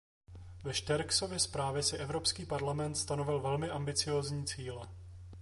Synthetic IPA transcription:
vɛʃt̪ɛɾkso̞vjɛspɾaːvjɛsɪʔɛvɾo̞pskiːpaɾlamɛnt̪st̪ano̞vɪlvɛlmɪʔambɪt͡sɪjo̞ːzɲiːt͡siːlɛ

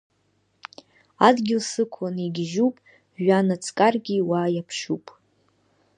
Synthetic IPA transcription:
adɡʲɪlsɨkʷʰaniɡʲʒupʼ | ʒʷᶣanat͡sʰʼkʼarɡʲiwaːjapʰʂupʼ

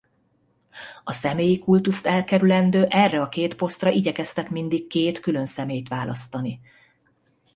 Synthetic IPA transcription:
ɒsɛmeːjikult̪ust̪ɛlkɛɾylɛnd̪øːʔɛrːɛɒkeːt̪po̞st̪rɒʔiɟɛkɛst̪ɛkmind̪ikkeːt̪kylø̞nsɛmeːjt̪ʋaːlɒst̪ɒni

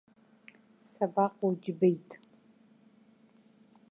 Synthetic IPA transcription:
sabaqʼowd͡ʒbejtʼ

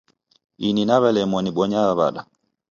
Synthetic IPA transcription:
ininaβɛlɛmɔniɓɔɲaβaβa̰ɗa

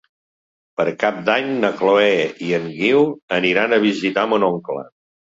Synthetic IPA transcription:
pəɾkap̚d̪aɲnəkloɛiəŋɡiwəniɾanəβ̞izit̪amunɔŋklə̰

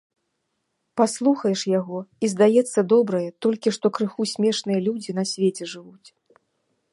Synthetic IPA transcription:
paslˠuxɐjɛʂjaɣɔizd̪ajɛt̪sːɐd̪ɔbɾɐjɛt̪ɔlʲkʲiʂt̪ɔkɾɨxusʲmʲɛʂnɨjɐlʲud͡zʲin̪ɐsʲvʲet͡sʲɛʐɨvut͡sʲ

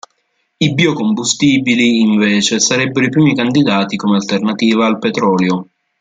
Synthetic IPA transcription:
ibiːokombust̪iːbiliːɱveːt͡ʃesaɾɛbːeɾoipɾiːmikand̪id̪aːt̪ikomealt̪ernat̪iːvaːlpet̪ɾɔːljo

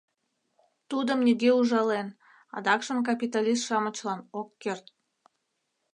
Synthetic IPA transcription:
t̪ud̪ə̆mnʲiɣʲeuʒɑlen | ɑ̰d̪ɑkʃəmk̬ɑpʲit̪alʲist̪ʃɑmət͡ɕlɑnokːert̪̚

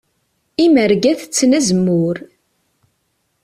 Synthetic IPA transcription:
iməɾɡæθt͡sːnæzəmːʊɾ

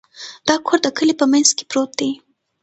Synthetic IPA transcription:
d̪̥ɑkʰoɾd̪əkəlipəmanzke̥pɾot̪̚d̪e

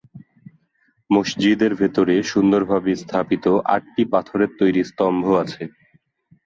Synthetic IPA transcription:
moʃd͡ʑid̪eɾbʱet̪oɾeʃund̪oɾbʱabist̪ʰapit̪oʔa̰ʈ̚ʈipat̪ʰoɾeɾt̪ojɾist̪ɔmbʱoat͡ɕʰe

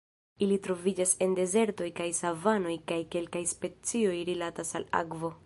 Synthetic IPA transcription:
ilitɾo̞vid͡ʒase̞nde̞ze̞ɾto̞jkajsavano̞jkajke̞lkajspe̞t͡sio̞jɾilatasala̰kvo̞

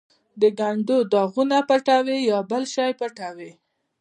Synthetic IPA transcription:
d̪əɡaɳɖod̪ɑɣunapaʈawejɑbəlʃɑjpaʈawe

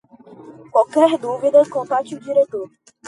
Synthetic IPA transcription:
kwawkɛɾd̪uvid̪ɐkõpat͡ʃiud͡ʒiɾet̪oɾ

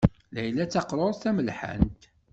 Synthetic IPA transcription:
læjlæt͡sːɑqɾˤoɾˤθæməlħə̰nt̪

